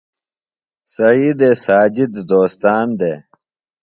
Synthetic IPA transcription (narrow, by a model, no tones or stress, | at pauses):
sɐiːd̪esaːd͡ʑid̪d̪oːst̪aːnd̪e